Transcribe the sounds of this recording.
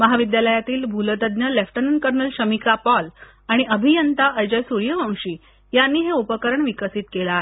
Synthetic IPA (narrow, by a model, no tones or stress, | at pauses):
məɦaʋid̪jaləjat̪iːlbʱulət̪əd̪njəlefʈənənkəɾnəlɕəmikapɔl | aɽ̃iʔəbʱijənt̪aʔəjd͡ʑəjsuɾijəʋãw̃ɕiː | janːiːɦeopəkəɾəɳʋikəsiːt̪kelaːɦe